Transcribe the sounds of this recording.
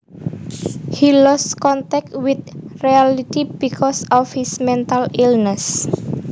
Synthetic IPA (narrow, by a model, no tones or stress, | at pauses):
hilɔskɔnt̪ɛk̚t̪wɪt̪̚rialit̪ibikʰɔsɔfhismɛnt̪alilnɛs